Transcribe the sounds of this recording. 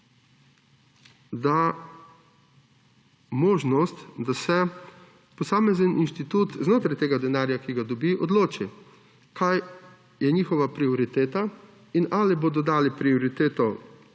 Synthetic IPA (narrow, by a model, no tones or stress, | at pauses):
d̪a | moːʒnɔst̪d̪asɛ | pɔsaːmɛzənʔinʃt̪it̪uːt̪znoːt̪ɾajt̪eːɡad̪ɛnaːɾjakiɡad̪ɔbiʔɔd̪loːt͡ʃi | kʰaj | jɛɲiːxɔʋapɾiɔɾit̪eːt̪a | inʔaːliboːd̪ɔd̪aːlipɾioɾit̪eːt̪ɔ